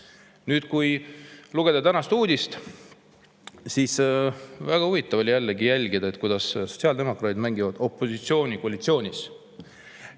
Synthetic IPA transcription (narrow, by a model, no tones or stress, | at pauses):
nyːd̪̥kujluɡ̥ed̪ɑt̪ænɑst̪uːd̪ist̪ | siːsvæɡ̥ɑuvit̪ːˑɑvo̞lʲijælːeɡijælʲɡid̪ɑe̞t̪kujd̪̥ɑsso̞t̪ʲsiɑld̪e̞mo̞kˑɾɑːt̪id̪mæŋɡivɑd̪̥o̞pːˑo̞sit̪sio̞ːnʲikoɑlʲit̪sio̞ːnʲis